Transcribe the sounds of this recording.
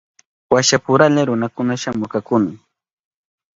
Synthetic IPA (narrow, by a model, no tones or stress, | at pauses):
waʃapʊɾalaɾʊnakʊnaʃamʊkakʊnɪ